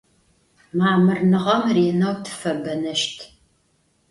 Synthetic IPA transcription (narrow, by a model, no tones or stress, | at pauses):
maːmɨrnɨʁɐmreːnɐwtʰɨ̥fɐbɐnɐʃtʰ